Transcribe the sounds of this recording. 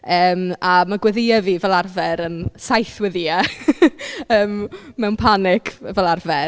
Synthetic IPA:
əːmamaɡwɛðɪaviːvɛlˠarvɛɾənsajθwɛðia | əːmːɛwnpʰanɪkʰvɛlˠarvɛ

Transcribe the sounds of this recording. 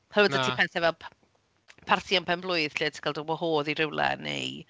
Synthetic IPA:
hərədətʰipʰɛθɛvɛlˠpʰ | pʰarθʰianpʰɛmblˠʊɨðɬɪːtʰkʰalˠdəbɔhoːðiɾɪwlˠɛ̰nḛj

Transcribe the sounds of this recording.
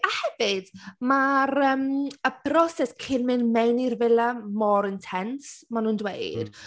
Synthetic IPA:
ahɛvɪd̥maɾəːməpʰrɔsɛskʰɪnmɪnmejnirvɛlˠamɔɾɪntʰɛntsmanuːndwḛjd̥

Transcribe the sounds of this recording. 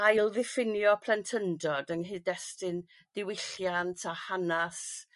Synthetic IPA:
ajlˠðɪfɪnjɔpʰlˠɛntʰəndɔdənɦɨdɛstɪn | ð̥ɪwɪɬjantʰahanas

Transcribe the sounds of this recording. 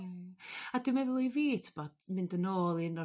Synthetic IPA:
adɪmɛðlˠiviːtʰɪ̥bɔd̥mɪndənoːlˠiənɔ

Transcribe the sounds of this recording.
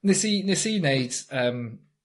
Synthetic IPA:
nɪsinɪsiːneɪd̥əm

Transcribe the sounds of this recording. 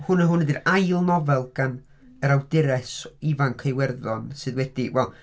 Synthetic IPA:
hʊnəɦʊnɛdirajlˠnɔvɛlˠɡ̥an | əɾawdɪɾɛsivankʰejwɛrðɔnsɨðwɛd̥iwɛlˠ

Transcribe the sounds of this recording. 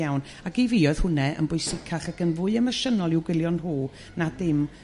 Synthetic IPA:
awn | aɡiviːɔɨð̥hʊnɛʔə̰nbʊɨsɪkʰaχaɡənvʊɨəməʃənɔlˠɪwɡwɪlˠjɔnruː | nadɪm

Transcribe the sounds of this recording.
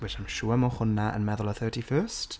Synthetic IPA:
wɪtamʃuːəmɔχʊnaʔə̰nmɛðʊlˠəθɜːtʰifɜːst

